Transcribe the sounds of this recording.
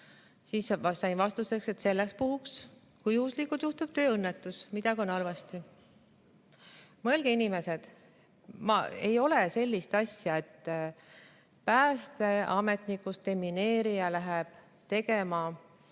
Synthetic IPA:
siːssɑjnvɑst̪use̞kse̞t̪se̞lːekspuhuks | kujuːslikut̪juht̪ub̥̚t̪ø̞ːɤnːet̪ːˑusmid̪̥ɑkio̞nɑlvɑst̪i | melɡ̥einime̞se̞d̪̥ | mɑ̰e̞jo̞le̞se̞lʲːist̪ɑsjɑe̞t̪ː | pæːst̪e̞ɑme̞t̪ˑnikːˑust̪e̞mːine̞ːɾijɑlæɦeb̥ | t̪e̞ɡe̞mɑ

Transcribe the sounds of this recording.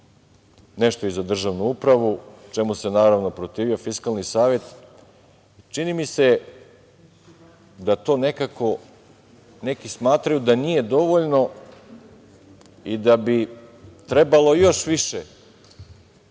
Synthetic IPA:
ne̞ʃt̪o̞izad̪r̩ʒaʋnuupɾaʋut͡ʃe̞muse̞naːɾaʋno̞pɾot̪iːʋiofiskalˠnisaːʋje̞t̪ | t͡ʃinimise | d̪at̪o̞ːne̞kako̞ | ne̞kismaːt̪ɾajud̪anije̞d̪o̞ʋo̞ʎno̞ | id̪abit̪ɾe̞balˠo̞jo̞ʃʋiʃe

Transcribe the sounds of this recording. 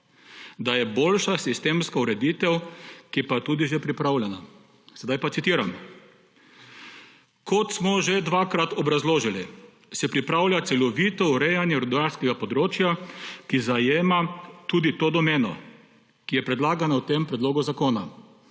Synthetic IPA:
d̪ajɛboːlʃasist̪eːmskauɾɛd̪it̪ɛwkipat̪ud̪iʒɛpɾipɾawlʲjɛna | sɛd̪ajpat̪sit̪iːɾam | kʰɔt̪smɔʒed̪ʋaːkɾat̪ɔbɾazloːʒili | sɛpɾipɾawlʲjat̪sɛlɔʋiːt̪ɔuɾɛjanjɛɾud̪aɾskɛɡapɔd̪ɾoːt͡ʃjakizajeːmat̪ud̪it̪oːd̪ɔmeːnɔ̰ | kijɛpɾɛd̪laːɡanawt̪empɾɛd̪loːɡɔzakoːna

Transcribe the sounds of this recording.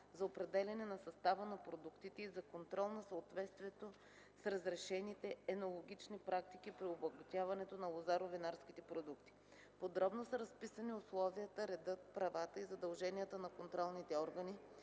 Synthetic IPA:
zɐopɾɛd̪ɛlʲɐnɛnɐsɐst̪avənɐpɾod̪ukt̪it̪ɛizɐkont̪ɾɔlˠnɐsəot̪vɛt̪st̪viɛt̪o | sɾɐzɾɛʃɛnit̪ɛɛnolˠoɡʲit͡ʃnipɾʔak̚t̪ik̟ipɾiobˠɐɡɐt̪ʲjavɐnɛt̪onɐlˠozaɾovinaɾskʲit̪ɛpɾod̪ukt̪i̥ | pod̪ɾɔbnosəɾɐspisəniʊslˠɔviət̪əɾɛd̪ɤt̪̚pɾɐvat̪əizɐd̪ɐlˠʒɛniət̪ənɐkont̪ɾɔlˠnit̪ɛɔɾɡəni

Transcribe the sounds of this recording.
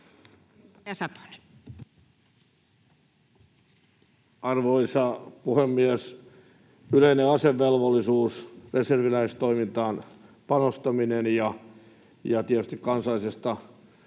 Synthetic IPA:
ɑsɑt̪o̥ne | ɑrʋoisɑpuhemːies | yleineɑseʋːelʋolːˑisuːsreserʋilæist̪oimint̪ɑːn | pɑnost̪ɑminenjɑ | jɑt̪iæt̪yst̪ikkɑnsɑlːˑisest̪ɑ

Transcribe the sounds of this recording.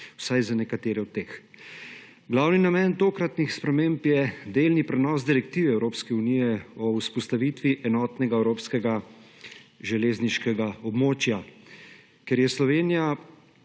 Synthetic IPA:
w̥sajzanɛkat̪eːɾɛɔt̪̚t̪ːeːx | ɡlawninamɛnt̪oːkɾat̪nixspɾɛmeːmpjɛd̪eːlnipɾɛnɔːsd̪iɾɛk̚t̪iːʋɛɛwɾoːpskɛunijɛɔuspɔst̪aʋiːt̪ʋiʔɛnɔːt̪nɛɡaɛwɾoːpskɛɡa | ʒɛleːzniʃkɛɡaɔbmoːt͡ʃja | kɛɾjɛslɔʋeːnija

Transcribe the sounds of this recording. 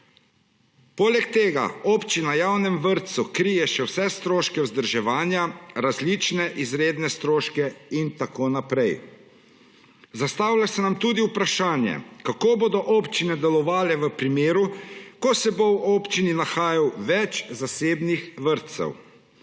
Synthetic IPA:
poːlɛk̚t̪eːɡa̰ɔːpt͡ʃinajaːwnɛmʋəɾt̪sukɾijɛʃɛwsɛst̪ɾoːʃkɛwzd̪əɾʒɛʋaːnjaɾazlit͡ʃnɛʔizɾeːd̪nɛst̪ɾoːʃkɛint̪akoːnapɾɛj | zast̪aːwlʲasɛnamt̪uːd̪iupɾaʃaːnjɛ̰kakoːboːd̪ɔʔɔpt͡ʃinɛd̪ɛlɔʋaːlɛʋəpɾimeːɾukɔsɛbowɔːpt͡ʃininaxaːjawʋɛt͡ʃzaseːbnixʋəɾt̪sɛ̰w

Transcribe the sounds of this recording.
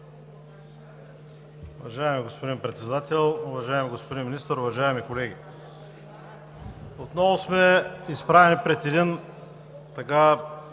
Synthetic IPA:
ʊvɐʒaɛmiɡospod̪impɾɛt̪sɛd̪at̪ɛlˠʊvɐʒaɛmiɡospod̪inminist̪əɾʊvɐʒaɛmikolɛɡʲi | ot̪nɔvosmɛispɾavɛnipɾɛt̪id̪in | t̪ɐka

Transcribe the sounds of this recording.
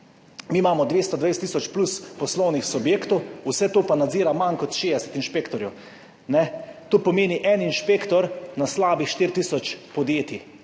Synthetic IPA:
miːmaːmɔd̪ʋeːst̪ɔd̪ʋejst̪ːisɔt͡ʃpluspɔslɔwnixsubjeːkt̪ɔwusɛt̪oːpanad̪ziːɾamankɔt̪ʃeːd̪ɛsɛ̥t̪inʃpeːkt̪ɔɾjɛw | nɛt̪oːpɔmeːniʔɛninʃpeːkt̪ɔɾnaslaːbixʃt̪iːɾt̪iːsɔt͡ʃpɔd̪jeːt̪i

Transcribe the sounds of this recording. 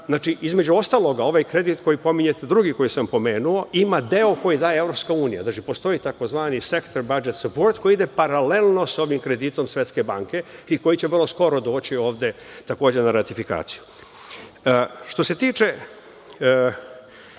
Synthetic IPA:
zaːt͡ʃiʔizme̞d͡ʑuo̞st̪alˠo̞ɡao̞ʋajkɾe̞d̪it̪ko̞jipo̞miɲe̞t̪ed̪ɾuɡiko̞jisampo̞meːnuo̞ʔimad̪eo̞ko̞jid̪aːjeevɾo̞pskauːnija̰zat͡ʃipo̞st̪o̞it̪ako̞zʋaːnise̞kt̪oɾbad͡ʒet̪supoɾt̪ko̞jid̪epaɾalelˠno̞so̞ʋimkɾe̞d̪it̪o̞msʋjet̪ske̞baŋke̞iko̞jit͡ɕeʋərlˠo̞sko̞ɾo̞d̪o̞ːt͡ɕio̞ːʋd̪e̞ | t̪ako̞ːd͡ʑenaɾat̪ifika̰ːt̪siju | ʃt̪o̞se̞t̪iːt͡ʃe̞

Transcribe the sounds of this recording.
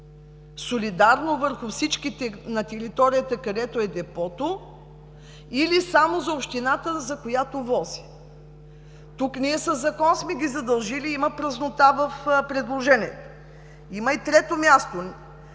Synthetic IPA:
solid̪aɾnovəɾxʊfsit͡ʃkit̪ɛnɐt̪ɛɾit̪ɔɾijət̪ɐkɐd̪ɛt̪oɛd̪ɛpɔt̪o | ilisamozɐopʃt̪inat̪əzɐkojat̪ovɔzi̥ | t̪uknʲiɛsəzːɐkɔnsmɛɡʲizɐd̪ɐlˠʒiliimɐpɾɐznot̪avɐfpɾɛd̪lˠoʒɛniɛt̪o | iməit̪ɾɛt̪omʲjast̪o

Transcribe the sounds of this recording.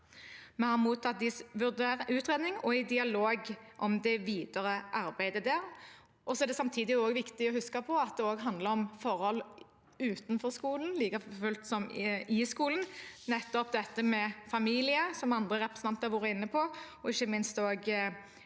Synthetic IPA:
mɛhɑʁmuːt̪ʰːɑt̪̚d̪ɪsʋʉʁd̪eːʉːt̪ʁeːd̪nɪŋɔæɪd̪ɪɑloːɡʔɔmd̪ɛʋiːd̪əɾəʔɑɾbæɪd̪əd̪æːɾ | ʔɔsɔɛʁd̪ɛsɑmt̪ʰiːd̪ɪoːɡʋɪkt̪ɪɔhʉskəpʰɔɑt̪̚d̪ɛoːɡɦɑnd̪ləɾɔmfɔʁhɔl | ʉːt̪nfɔɾskuːln̩liːkɑfʉlt̪sɔmɪskuːlən̩nɛt̪ːɔp̚d̪ɛt̪ːəmɛfɑmiːlɪəsɔmɑnd̪ʁəʁɛpɾɛsnɑnt̪hɑɾʋuːɾəɪnːəpʰɔɔɪçːəmɪnst̪oːɡ

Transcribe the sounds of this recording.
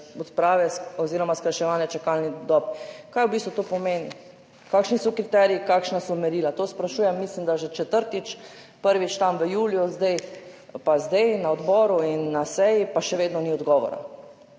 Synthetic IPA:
ɔt̪pɾaːʋɛɔziːɾɔmaskaʃɛʋaːnjɛt͡ʃɛkalnid̪ɔpkajwbist̪ʋut̪opɔmeːni | kaːkʃnisɔkɾit̪ɛɾiikakʃnasɔmɛɾiːlat̪ospɾaʃuːjɛmːislimd̪aʒɛt͡ʃɛt̪əɾt̪it͡ʃ | pəɾʋit͡ʃt̪amʋəjuːljuzd̪ɛjpazd̪ɛjnaɔd̪bɔːɾuinːasɛjipaʃɛʋeːd̪nɔniɔd̪ɡɔʋɔ̰ɾa̰

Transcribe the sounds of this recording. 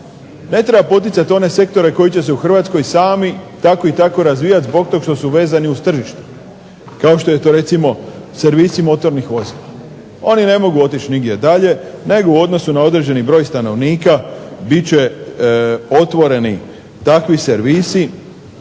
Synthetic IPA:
ne̞t̪ɾebapo̞t̪̬it̪sat̪io̞ne̞se̞kt̪o̞ɾe̞ko̞jit͡ɕe̞s̬euxr̩ʋat̪sko̞jsaːmit̪ako̞it̪ako̞ɾazʋijat̪zbo̞k̚t̪o̞ɡkʃt̪o̞suʋe̞ːzaniust̪r̩ʒiʃt̪u̥ | kaoʃt̪o̞je̞t̪o̞ːɾe̞t̪simo̞se̞ɾʋiːsimo̞t̪o̞ɾnixʋo̞zilˠa | o̞nine̞mo̞ɡuo̞t̪̬it͡ɕniɡd̪ʲje̞d̪aʎe̞ne̞ɡouo̞d̪no̞sunao̞d̪ɾe̞d͡ʑe̞nibɾo̞ːjst̪ano̞ʋniːkabit͡ɕe̞ | o̞t̪ʋo̞ɾe̞ni | t̪akʋiseɾʋisi

